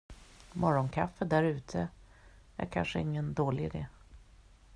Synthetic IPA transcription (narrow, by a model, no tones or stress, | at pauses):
mɔɾɔnkʰafːəd̪æɾʉ̟ːt̪ʰə | ʔæ̰ɾkʰa̰nʂəɪŋːənd̪oːlɪɪd̪eː